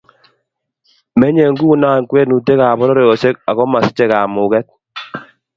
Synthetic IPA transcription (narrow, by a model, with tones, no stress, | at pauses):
mɛ˦ɲe˨ŋɡu˦˨naː˦˨ŋkwɛ˦nu˨te˦ka˨bɔ˦ɾɔ˦ɾɔ˨jɔ˨se˦ka˨ɣɔ˦ma˨sɪ̥˦t͡ʃe˨kaː˨mʊ˨kɛ˦k̚